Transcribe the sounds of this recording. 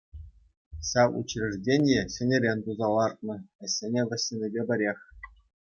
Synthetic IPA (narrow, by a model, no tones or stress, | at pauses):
ɕɑʋṵt͡ɕrʲɘ̆ʐdʲenʲjĕɕɘ̆nʲĕɾʲenʲt̪uzɑlˠɑrt̪̚nɤ̆ɘ̆sʲːenʲeʋʲɘ̆sʲːenʲĕbʲebʲɘ̆ɾʲexʲ